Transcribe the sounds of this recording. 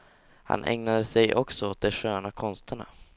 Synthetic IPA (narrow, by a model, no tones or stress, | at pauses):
ha̰nʔɛ̰ŋnad̪əsɛjʔɔksɔoːt̪̚d̪ɛɧøːnakʰɔnst̪ʰəɳa̰